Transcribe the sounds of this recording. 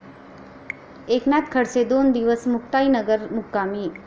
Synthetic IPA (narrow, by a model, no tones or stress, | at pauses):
ekmjat̪kʰəɽsed̪ond̪iʋəsmukʈ̪ainəɡəɾmukːami